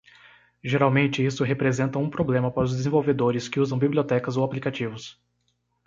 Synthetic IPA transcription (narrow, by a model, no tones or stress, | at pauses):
ʒeɾawmẽnt͡ʃɪisʊɦepɾezẽnt̪ɐũpɾoblẽmɐpaɾʊzd̪ezẽvowved̪oɾɪskɪuzɐ̃w̃bibliot̪ɛkɐzowaplikat͡ʃivʊs